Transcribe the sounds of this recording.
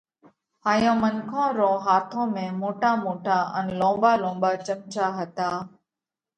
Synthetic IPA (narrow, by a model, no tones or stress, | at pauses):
ɦaːjõːmənkʰõːɾõːɦaːt̪ʰõːmẽːmoːʈaːmoːʈʰaːənlõːbaːlõːbaːt͡ʃəmt͡ʃaːɦət̪aː